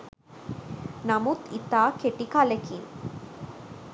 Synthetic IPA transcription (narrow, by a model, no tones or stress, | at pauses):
namut̪it̪akʰeʈikalekʰin